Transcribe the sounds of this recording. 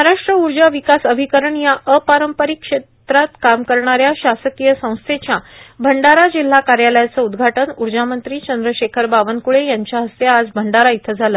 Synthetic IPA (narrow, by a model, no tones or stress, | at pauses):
maɾaʂʈɾəuɾd͡ʑaʋikasəbʱikəɾəɳjaʔəpaɾəmpəɾikʂet̪ɾat̪kamkəɾɳaɾjaɕasəkijəsə̃w̃st̪ʰet͡ɕjabʱəɳɖaɾad͡ʑil̤ːakaɾjaləjat͡səud̪ɡʱaʈənuɾd͡ʑamənt̪ɾiːt͡ɕənd̪ɾəɕekʰəɾbaʋənkuɭejaɲt͡ɕjaɦəst̪eːd͡zbʱəɳɖaɾait̪ʰəd͡zʱalə